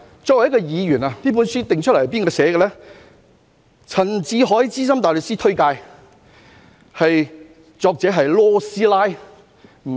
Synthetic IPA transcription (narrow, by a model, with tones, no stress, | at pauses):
t͡sɔː˧k̚wɐ˨˩jɐ˥kɔː˧jiː˨˧jyː˨˩naː˨t̪iː˥p̬u˨˥nsyː˥t̪ɪ˨ŋt͡ʃʰɵ˥lɐ˨˩hp̬iː˥nkɔː˧sɛː˨˥ɡɛ˧lɛː˥ | t͡sʰɐ˨˩nt͡siː˨˥ɦɔː˨˥jt͡siː˥s̬ɐ˥mt̪aː˨jlə˨k̚siː˥t̪ʰɵ˥ɥkaː˧j | hɐ˨j | t͡sɔː˧k̚t͡sɛː˨˥ɦɐ˨jlɔː˥siː˥laː˥j